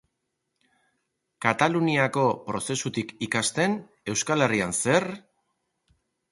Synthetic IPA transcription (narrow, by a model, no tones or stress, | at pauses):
kat̪aluniako̞pɾo̞se̞sut̪ikikast̪e̞n | e̞wskale̞rianse̞r